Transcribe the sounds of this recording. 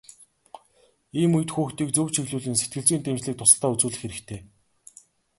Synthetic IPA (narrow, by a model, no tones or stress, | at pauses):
iːmuj̆t̪xuːxt̪iːk̚t͡sɵwt͡ɕʰiɣɮuːɮɘ̆nset̪̚ɡɘ̆ɮt͡siːnt̪ʰemt͡ɕɮiːk̚t̪ʰʊsə̆ɬt̪aːut͡suːɮɘ̆xeɾɘ̆kt̪ʰeː